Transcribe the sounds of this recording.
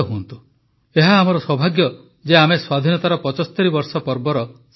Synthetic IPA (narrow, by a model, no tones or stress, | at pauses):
ɔɦuɔnt̪u | eɦaːmɔɾɔswɔbʱaɡjɔ | d͡ʒeameswad̪ʱinɔt̪aɾɔpɔt͡ʃɔsɔ̥t̪eɾibɔɾsɔpɔɾbɔɾɔ | s